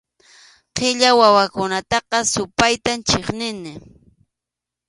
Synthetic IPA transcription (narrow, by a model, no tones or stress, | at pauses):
qɪʎawawakʊnat̪ɑqɑsʊpajt̪ant͡ʃeχnɪnɪ